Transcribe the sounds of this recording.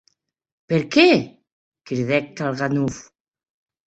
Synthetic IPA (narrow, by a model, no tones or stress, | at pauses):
peɾke | kiɾðɛk̚talɣanuf